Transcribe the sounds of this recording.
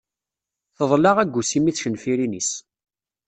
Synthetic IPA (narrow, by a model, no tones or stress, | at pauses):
θəðˤlɑʁæɡʷːusimiθçənfiɾinis